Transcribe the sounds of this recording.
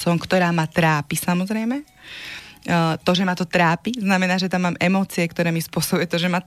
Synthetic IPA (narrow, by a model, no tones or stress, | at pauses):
smkt̪ɔɾaːmat̪ɾaːpisamɔzɾɛjmɛ | t̪ɔʒɛmat̪ɔt̪ɾaːpiznamɛnaːʒɛt̪amːaːmɛmɔːt͡siɛkt̪ɔɾɛːmispʊɔsɔbujɛt̪ɔʒɛma